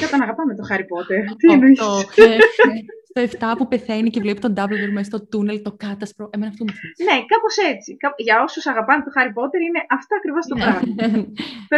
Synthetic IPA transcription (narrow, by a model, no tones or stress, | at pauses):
kɐt̪ɐnɐɣɐpɐmet̪oxɐɾipo̞t̪eɾt̪ineio | st̪oeft̪ɐpupe̞θe̞nicevlepi̥st̪o̞nd̪ɐblveɾmest̪o̞t̪unelt̪o̞kɐt̪ɐspɾoemenɐft̪omufne̞kɐpo̞se̞t͡sikɐpʝɐo̞susɐɣɐpɐmet̪o̞xɐɾipo̞t̪e̞ɾine̞ʔɐft̪oɐkɾivost̪omɾɐ